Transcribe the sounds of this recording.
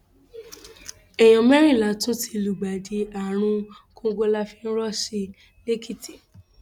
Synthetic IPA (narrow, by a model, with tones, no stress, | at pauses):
ɛ˨j̃ɔ̃˨mɛ˦ɾ̃ĩ˦˨la˨˦tũ˦tʰi˧lu˨ɡ͡ba˨di˨a˨ɾ̃ũ˧ | kõ˧ɡ͡bo˧la˦˧fĩ˦˧n̩˦ɾɔ˦ʃi˧ | le˦kʰi˦ti̥˨